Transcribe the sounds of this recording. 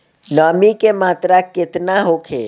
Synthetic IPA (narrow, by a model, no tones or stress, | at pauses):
nɔːmikemaːt̪ɾakɪt̪naɦokʰeː